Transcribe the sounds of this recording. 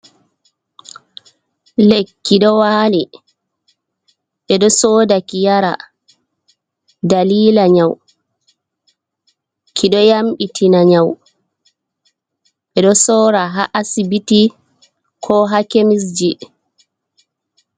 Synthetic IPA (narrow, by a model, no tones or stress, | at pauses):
lekːiɗɔwaːni | ɓɛɗɔsɔːdakijaɾa̰ | daliːlaɲaw | kʰiɗɔjamɓitʰinaɲaw | ɓɛɗɔsɔːɾaɦaʔasibiti | kʰɔɦakemis̬d͡ʒi